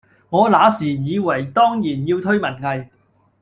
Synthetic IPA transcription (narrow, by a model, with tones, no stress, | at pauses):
ŋɔː˨˧laː˨˥siː˨˩jiː˨˧wɐ˨˩jt̪ɔː˥ŋjiː˨˩njiː˧wt̪ʰɵ˥ɥmɐ˨˩nŋɐ˨j